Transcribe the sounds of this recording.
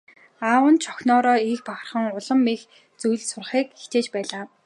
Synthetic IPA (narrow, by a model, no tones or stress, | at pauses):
aːwə̆nt͡ɕʰɔxnɔːɾɔːiːxpaχə̆rχə̆ŋʊɮə̆mːix | t͡sujɮsʊrχiːkixt͡ɕ̪eːt͡ɕpæːɮaː